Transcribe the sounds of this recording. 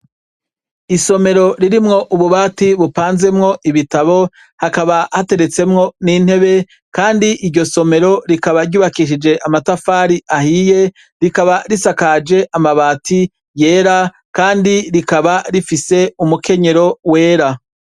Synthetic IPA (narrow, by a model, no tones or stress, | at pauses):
iso̞me̞ɾo̞ɾiɾimŋo̞ʔuβuβaːtiβupaːnze̞mŋo̞ʔiβitaβo̞ | hakaβahate̞ɾe̞t͡se̞mŋo̞nin̥he̞βe̞ | kaːndiʔiɾɟo̞so̞me̞ɾo̞ɾikaβaɾɟuːβakiʃid͡ʒe̞ʔamatafaːɾiʔahije̞ | ɾikaβaɾisakaːd͡ʒe̞ʔamaβaːtʰi | je̞ːɾa | kaːndiɾikaβaɾifise̞umuke̞ɲe̞ɾo̞we̞ːɾa